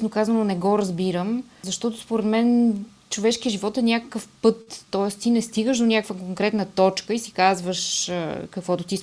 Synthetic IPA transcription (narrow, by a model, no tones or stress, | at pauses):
snokazənonɛɡɔɾəzbiɾəmzɐʃt̪ɔt̪ospoɾɛd̪mɛn | t͡ʃovɛʃk̟iəʒivɔt̪ɛnʲakəkəfpɤt̪ːɔɛst̪inɛst̪iɡəʃd̪onʲakəkvəkoŋkɾɛt̪nət̪ɔt͡ʃkəisi̥kazvəʃkəkv̥ɔt̪ot̪is